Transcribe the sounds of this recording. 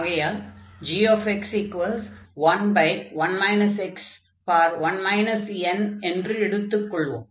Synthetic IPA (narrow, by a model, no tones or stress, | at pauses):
ɣɐjad͡ʒiːoːfɛksiːkʋɐlsʋɐnbɐɪkʋɐnmɐɪnɐsɛks | paːɾʋɐnmɐɪnɐsɛnɛndrɯɛɽɯt̪ːɯkːɔɭːʋõ̰ːm